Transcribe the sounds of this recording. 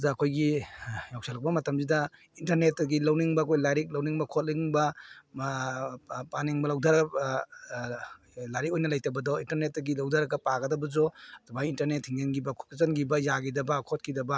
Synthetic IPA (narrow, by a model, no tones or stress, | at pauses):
daːkʰojɡijawksʰalak̚bɐmɐtɐmzidɐ | intɐɾnet̚ːɐɡilawniŋbɐkʰojlaɾik̚lawniŋbɐkʰot̚liŋbɐ | paniŋbɐlawdaɾɐɡɐ | laɾikojnɐlajtɐbɐdɔintɐɾnet̚ːɐɡilawdaɾɐɡɐpaɡɐdɐbɐzɔtʰumajintɐɾnet̚hiŋzɐnɡibɐkʰɔ̥kzɐnɡibɐjaɡidɐbɐkʰot̚kidɐbɐ